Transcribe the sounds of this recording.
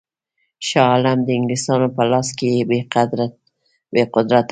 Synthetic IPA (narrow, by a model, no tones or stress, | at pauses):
ʃɑlamd̪əɪŋɡlist̪ɑnopəlɑskejebead̪ɾ̚ | beqʊd̪ɾat̪